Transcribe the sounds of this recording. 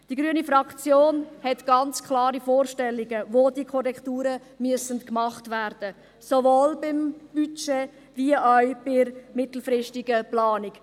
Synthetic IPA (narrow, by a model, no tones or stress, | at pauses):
d̥iɡɾyənifɾɑkt͡sjoːnhɛtɡ̥ɑnt͡skʰlɑːɾifoːɾʃtɛlːiɡəʋoːdiəkʰɔɾɛktuːɾə | myəsənkmɑχtʋæːɾd̥ə | soʋoːlbɪmb̥yt͡ʃe | viəʔaʊb̥ɪɾmɪtl̩ˠfɾɪʃtɪɡəplɑːnik